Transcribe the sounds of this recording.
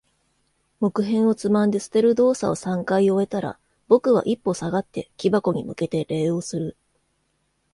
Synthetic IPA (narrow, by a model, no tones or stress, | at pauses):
mo̞kɯ̟ɦẽ̞ɰ̃o̞t͡sɨmãnd̪e̞sɨ̥t̪e̞ɾɯ̟d̪o̞ːsa̰o̞sãŋkaio̞e̞t̪aɾa̰ | bo̞kɯ̟β̞a̰ʔipːo̞saɡat̪ːe̞kʲibako̞ɲ̟imɯ̟ke̞t̪e̞ɾe̞ːo̞ːsɨɾɯ̟